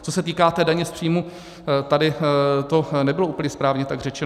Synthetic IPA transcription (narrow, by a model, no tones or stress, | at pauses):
t͡sosɛt̪iːkaːt̪ɛːdaɲɛspr̥ijmu | t̪adɪt̪onɛbɪlouːpl̩ɲɛspɾaːvɲɛt̪aɡr̝ɛt͡ʃɛn